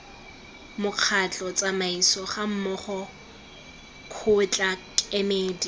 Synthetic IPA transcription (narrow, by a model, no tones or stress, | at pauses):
mʊq͡χʰat͡ɬʼɔt͡sʼamaisɔχam̩mɔχɔ | kʰʊt͡ɬʼakʼemeːdi